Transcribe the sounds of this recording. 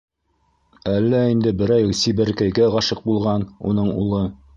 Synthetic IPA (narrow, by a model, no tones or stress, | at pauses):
ælːæind̪ɘbɘ̆ɾæjsiβɘ̆ɾkæjɡæɑʃɤq̚bulˠʁɑnṵnɤɴṵlˠɤ